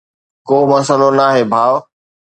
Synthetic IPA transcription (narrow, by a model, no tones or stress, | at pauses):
koːmɐsəlonaːɦeːbʱaːʋ